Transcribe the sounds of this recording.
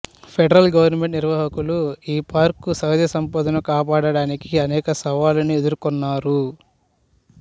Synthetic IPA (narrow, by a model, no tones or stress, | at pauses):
pʰeɖɐɾɐlɡɐʋɐɾnɐme̞ɳʈniɾʋɐːɦɐkuluiːpaːɾkːusɐwd̪jɐsɐmpɐːd̪ɐnɐkaːpaːɽɐɽaːnikiɐnɛːkɐsɐʋaːlɐnied̪uɾukɔnːaːɾu